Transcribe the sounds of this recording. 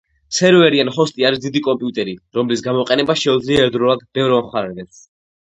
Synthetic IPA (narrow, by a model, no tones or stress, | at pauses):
sɛɾvɛɾianχɔst̪ʼiaɾisd̪id̪ikʼɔmpʼiut̪ʼɛɾiɾɔmlisɡamɔqʼɛnɛbaʃɛud̪zliaɛɾd̪ɾɔlad̪̚bɛvɾɔvamχaɾɛd̪ɛps